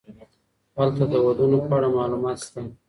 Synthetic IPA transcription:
halt̪ad̪əwad̪unopɑɽamɑlumɑt̪st̪a

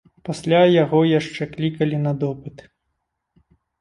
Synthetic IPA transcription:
pasʲlʲajaɣɔjaʂt͡ʂɛklʲikɐlʲinɐd̪ɔpɨt̪

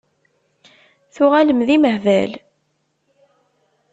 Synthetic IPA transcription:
θʊʁaləmðiməhvæ̰l

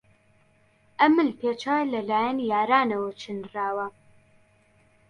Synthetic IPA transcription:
ʔɐmɨlpʰet͡ʃʰaːjlɐlaːjɛnijaːɾaːnɐwɐt͡ʃʰɨnraːwɐ

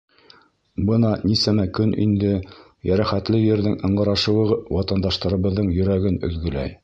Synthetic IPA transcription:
bɤnɑnisæmækɵnḭnd̪ɘ | jæɾæχæt̪lɘjɘ̆ɾðɘŋɤ̆ɴɢɤ̆ɾɑʃɤ̆wɤ̆ʁɤwɑt̪ɑnd̪ɑʃt̪ɑɾɤ̆βɤ̆ðːɤɴjɵ̆ɾæɡɘnɵ̰̆ðɡɵ̆læ̰j

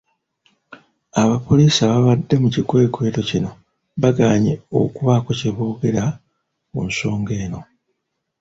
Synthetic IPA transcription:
aβapo̞liːsaβaβadːe̞mucikwe̞ːkwe̞ːto̞cino̞ | βaɡaːɲeo̞̰kuβakoceβoːɡe̞ɾa | mṵnso̞ːŋɡe̞ːno̞

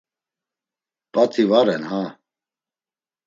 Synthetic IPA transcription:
pʼat̪ʰivaɾɛnha

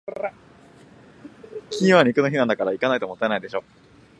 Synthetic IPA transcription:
kʲʰĩβaɲ̟ʲikɯno̞çinãnd̪akaɾaikanait̪omot̪ːaenaid̪e̞ɕo̞ː

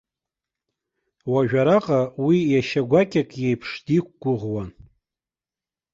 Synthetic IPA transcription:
waʒᶣaɾaqʼawijaʃaɡʷakʲʼakʼjejpʰʂdikʷɡ̥ʷʊʁwan

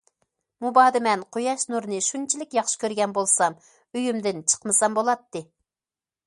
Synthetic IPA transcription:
mubɑːd̪ɨmɛnqʰojɑʃnuɾnɨʃunt͡ʃʰilɪkʲjɑχʃɪ̥kʲʰøɾɡʲɛnbolˠsɑm | yjymd̪ɪnt͡ʃʰə̥qmɨsɑmbolˠɑt̪ːɨ

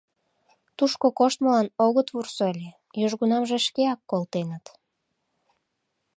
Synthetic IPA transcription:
t̪uʃkokoʃt̪məlɑnoɣət̪βursoelʲe | jyʒɣunɑmʒeʃkeɑkːolt̪enət̪

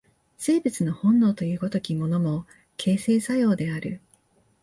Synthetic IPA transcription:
se̞ːbɯ̟t͡sɨno̞hõ̞nːo̞ːt̪o̞jɯ̟ːko̞t̪o̞kʲimo̞no̞mo̞ | kʰe̞ːse̞ːsajo̞ːd̪e̞aɾɯ̟̰

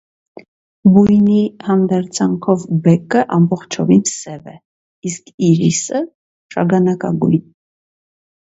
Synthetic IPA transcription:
bujnihɑnd̪ɛɾt͡sʰɑŋkʰɔvbɛkəʔɑmbɔχt͡ʃʰɔvinsɛvɛ̰ | iskʰiɾisə | ʃɑ̰ɡɑnɑkɑ̰ɡṵjn

